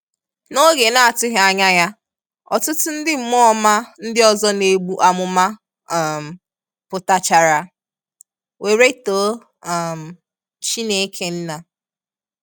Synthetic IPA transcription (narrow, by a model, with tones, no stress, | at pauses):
no˦ɡe˨na˦˨a˨tʊ˦ɦa˨ɲa˦ja˦ | ɔ̰˨tʊ˦tʊ˦n̩˦dɪ˦m̩˨˦mɔ˦ma˦n̩˦dɪ˦ɔ˨zɔ˦ne˨ɡ͡bu˦ʔa˨mʊ˦ma˦˨ | m̩˨ | pʊ˨ta˦t͡ʃa˨ɾa˦ | we˨ɾe˦to˨˦˨ | m̩˨ | t͡ʃi˦ne˨˦kʰe˦n̩˦na˨